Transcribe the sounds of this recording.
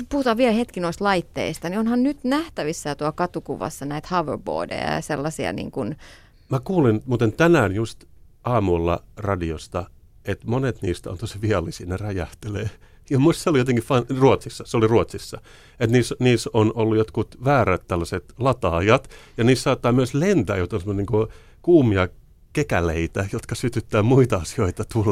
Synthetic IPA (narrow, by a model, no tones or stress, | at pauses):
puhut̪ɑːʋʋielhet̪kinoist̪lɑit̪ːḛist̪ɑnionhɑnnyt̪næht̪æʋisːæt̪uɑkɑt̪ukuʋɑ̰sːɑnæit̪hɑʋərbo̰ːdḛjɑ̰jɑ̰selːɑsiɑ̰nḭːŋkun | mækuːlinmuːt̪ent̪ænæːnjust̪ | ʔɑːmulːɑ̰rɑdiost̪ɑ | et̪monet̪nḭːst̪æo̰nt̪osiʋiɑlːisinerɑjɑht̪eleː | jɑmuist̪seolijot̪eŋkifɑnruot̪sisːɑseoliruot̪sisːɑ | et̪niːsniːsonolːujot̪kut̪ʋæːræt̪t̪ælːæset̪lɑt̪ɑːjɑt̪jɑniːssɑːt̪ːɑːmyøslent̪æ̰ːjot̪onsemoniːŋko | kuːmiɑ | kekæleit̪æjot̪kɑsyt̪yt̪ːæːmuit̪ɑɑsioit̪ɑt̪ul